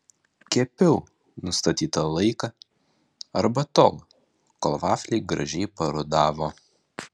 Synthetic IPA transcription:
kʲɛpʲɛʊ | nʊst̪ɐt̪ʲiːt̪ɐlˠɐɪkɐ | ɐɾbɐt̪oːlˠ | kolˠʋɑːfʲlʲɛɪɡɾɐ̰ʒʲɛɪpɐɾod̪ɑːʋoː

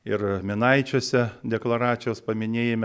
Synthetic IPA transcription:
ɪɾmʲɪnɐɪt͡ʃʲoːsʲɛd̪ʲɛklˠɐɾɑːt̪sʲɪjoːspɐmʲɪnʲeːjemʲ

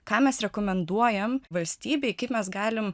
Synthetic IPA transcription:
kɑːmʲɛsɾʲɛkoːmʲɛnd̪uɔjɛmʋɐlʲsʲt̪ʲiːbʲɛɪkɐɪpmʲɛsɡɑːlʲɪm

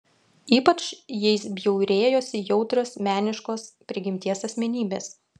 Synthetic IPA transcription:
iːpɐt͡ʃjɛɪsbʲjɛʊɾʲeːjoːsʲɪjɛʊt̪ɾoːsmʲæːnʲɪʃkoːspʲɾʲɪɡʲɪmʲt̪ʲiɛsɐsʲmʲɛnʲiːbʲeːs

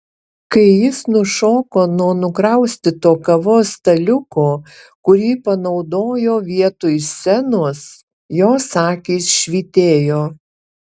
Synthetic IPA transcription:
kɐɪjɪsnʊʃoːkoːnuɔnʊkɾɐʊsʲt̪ʲɪt̪oːkɐʋoːst̪ɐlʲʊkoː | kʊɾʲiːpɐnɐʊd̪oːjoːʋʲiɛt̪ʊjsʲɛnʊs | joːsɑːkʲiːsʃʲʋʲiːt̪ʲeːjoː

